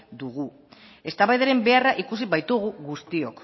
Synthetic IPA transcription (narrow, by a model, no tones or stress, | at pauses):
d̪uɣu | e̞st̪aβajðeɾe̞mbe̞araʔikusiβajt̪uɣ̞uɣust̪io̞k